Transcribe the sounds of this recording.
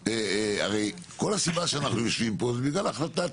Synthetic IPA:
ea̰ʁe̞j | ko̞lasibaʃeanaχnujo̞ʃvimpo̞zebiɡlalaχlat̪a

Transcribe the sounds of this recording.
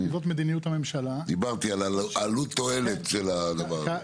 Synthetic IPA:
zot̪med̪inijut̪ame̞mʃalad̪ibaʁt̪ialaalut̪ːo̞e̞let̪ʃelad̪ɐvaʁa

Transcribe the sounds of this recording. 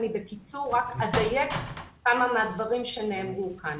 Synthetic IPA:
nibekit͡suʁːakad̪ajek | kamamead̪vaʁimʃeneːmʁukʰan

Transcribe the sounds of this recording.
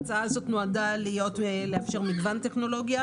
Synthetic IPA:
t͡saalazo̞t̪noadalijo̞tle̞afʃe̞ʁmiɡvant̪e̞χno̞lo̞ɡja

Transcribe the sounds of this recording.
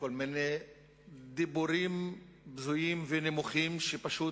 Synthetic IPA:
kolmine | d̪ibuɾim | bzujimvenemuχimʃepaʃu

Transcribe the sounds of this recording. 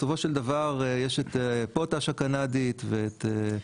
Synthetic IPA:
sofo̞ʃeld̪avaʁjeʃet̪pot̪aʃakanad̪it̪veːt̪e

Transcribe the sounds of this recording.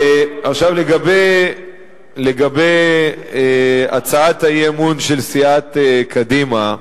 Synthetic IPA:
eʔaχʃavleɡabej | leɡabej | a̰t͡saathajemunʃelsiat̪ekʰad̪ima

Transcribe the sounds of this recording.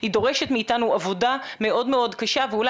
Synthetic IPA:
hido̞ʁeʃetmeitanuavo̞dame̞ʔo̞dmeo̞dkaʃaveula

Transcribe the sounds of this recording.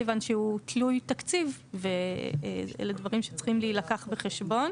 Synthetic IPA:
vanʃeutʰlujtakt͡sivveeḛledvaʁimʃet͡sχimlilakaχbeχeʃbo̞n

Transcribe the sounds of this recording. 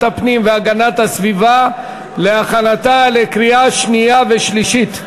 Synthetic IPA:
apnimveaɡanat̪hasviva | le̞aχanatalekʁiaʃnijaveʃliʃit̪

